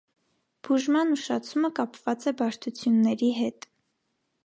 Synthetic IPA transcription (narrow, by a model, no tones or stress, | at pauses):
b̥uʒmɑnuʃɑt͡sʰuməkɑpvɑt͡sɛbɑʃt̪ʰut͡sʰjunːɛɾiɦɛt̪